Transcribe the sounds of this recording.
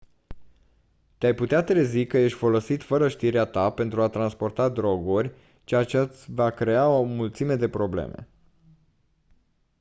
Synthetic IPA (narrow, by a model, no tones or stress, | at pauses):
t̪eajput̪eat̪ɾe̞zikəje̞ʃt̪ʲfo̞lo̞sit̪fəɾəʃt̪iɾeat̪ape̞nt̪ɾuat̪ɾanspo̞rt̪ad̪ɾo̞ɡurʲ | t͡ʃeat͡ʃevakɾe̞aomult̪sime̞d̪e̞pɾo̞blḛmḛ